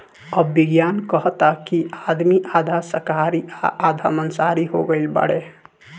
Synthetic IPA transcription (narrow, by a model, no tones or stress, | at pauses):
əbːiɡjankəɦt̪akiad̪miʔad̪ʱasəɾkaɾiaʔːd̪ʱamənsaɾiɦoɡəɪlbə̰ɽe